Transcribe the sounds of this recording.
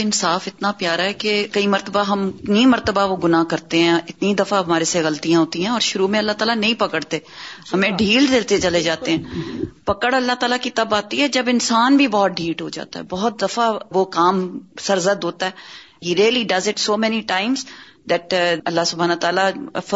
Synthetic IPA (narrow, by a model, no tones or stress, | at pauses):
ɪnsaːfɪt̪napjaːɾaɦɛkekɐimɐɾt̪əbaɦɐmɪt̪nimɐɾt̪əbaʋoɡʊnaːkɐɾt̪eɦɛ̃ɪt̪nid̪ɐfaɐmaːɾeseɣɐlt̪ijãɦoːt̪ĩɦɛ̃ɔːɾʃʊɾuːmẽɐlːat̪aːlanɐĩpɐkəɽt̪eːhɐmẽɖʱiːld̪elt̪et͡ʃɐled͡ʒaːt̪eɦɛ̃ːpɐkəɽɐlːat̪aːlakit̪ɐbaːt̪iɦɛd͡ʒɐbɪnsaːnbʱibɔːt̪̚ɖʱiːʈɦod͡ʒa̰ːt̪a̰ɦɛ̰bɔːt̪̚d̪ɐfaʋokaːmsɐɾzəd̪ʱoːt̪aɦɛ | ɦiːɾeːəliɖɐzɪʈsoːmɛniʈaːɪms | d̪ɛʈɐlːasʊbʱaːnːt̪aːla